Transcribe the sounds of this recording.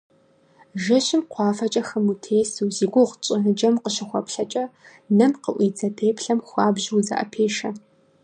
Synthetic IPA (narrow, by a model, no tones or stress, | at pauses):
ʒɐɕɪmqʷɑːfɐt͡ʃʼɐxɐmutʰeːsuwziːɡʷʊʁt͡ʃʼɐnɨd͡ʒɐmqəɕɪxʷɔpɬɐt͡ʃʼɐ | nɐnqəʔʷiːd͡zɐdʰeːpʰɬɐmxʷɑːbʒwzɐ̰ʔɐ̰pʰeːʃɐ